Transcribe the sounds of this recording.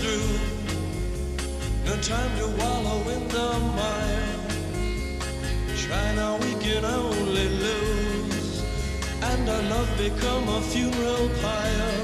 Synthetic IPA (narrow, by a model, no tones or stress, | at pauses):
ɹʉ | ðətʰãɪ̃mjəwɑlˠoʊɪ̃nðəmãɪɪ̃n | tʰɹ̥aɪnaʊwikɨ̃ɾõʊ̃nlilu | z | ɨ̃nəlʌvbɨkʰʌ̃məfjʉnə˞l̩ˠpʰaɪə˞